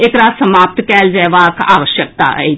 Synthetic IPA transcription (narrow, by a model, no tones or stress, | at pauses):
eːkɾaːd̪səmaːp̚t̪kɛːld͡ʒɛʋaka̰ːʋəʃjək̚t̪a̰ɛ̰